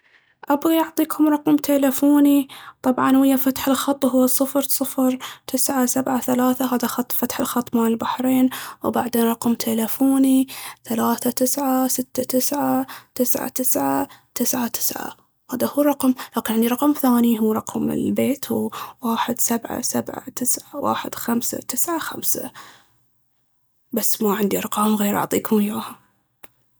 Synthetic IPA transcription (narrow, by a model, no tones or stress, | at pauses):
ʔabɣiʔɑʕt̪ˤiːkʰʊmɾˤɑqmt̪ʰeːlafuːnit̪ˤɑbʕɑnwɪjːafat̪ħɪlxɑt̪ˤːɦʊwːɑsˤːɨfɾsˤɨfɾt̪ʰɪsʕasabʕaθalaːθaɦaːðaxɑt̪ˤfat̪ħɪlxɑt̪ˤːmanɪlbaħɾeːnwbaʕd̪eːnɾˤɑqmt̪ʰelafuːniθalaːθat̪ɪsʕasɪt̪ːat̪ɪsʕat̪ɪsʕa̰t̪ɪsʕat̪ɪsʕat̪ɪ̥sʕa̰ | haːd̪ahuːrˤɑqmlaːkɪnʕɪnd̪iɾˤɑqɑmθaːniɦuːɾˤɑqmɪ̰lbeːt̪ʰwwaːħɪd̪sabʕa̰sabʕa̰t̪ɪsʕawa̰ːħɪ̰d̪̥xamsa̰t̪ɪsʕaxa̰msa̰ | basːmaʕɪnd̪iɑɾˤqɑːmɣeːɾʔɑ̰ʕt̪ˤiːkʰʊmjaːha